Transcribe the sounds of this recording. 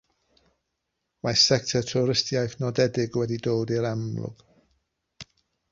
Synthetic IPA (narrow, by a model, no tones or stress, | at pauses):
wajsɛk̚tʰɛtʰʊɾɪstjajθnɔdɛdɪɡwɛdidoːdiɾamlˠʊ̰ɡ̥